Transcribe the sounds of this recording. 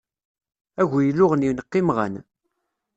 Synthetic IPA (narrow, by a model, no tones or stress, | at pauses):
æʝjəlːʊʁənjinəqːimʁə̰n